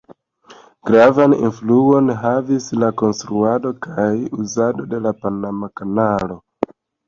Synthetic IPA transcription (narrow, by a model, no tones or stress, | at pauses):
ɡ̥ɾavanḭnfluo̞nɦavislako̞nstɾuado̞kajuzado̞de̞lapanamakanalo̞